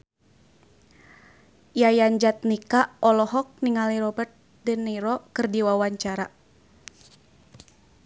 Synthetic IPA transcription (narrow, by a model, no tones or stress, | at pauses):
jajaɲd͡ʒat̪̚nikaɔlɔɦɔk̚niŋaliɾɔbərt̪̚ | dənːiɾɔkɨrdiwawaɲt͡ʃaɾa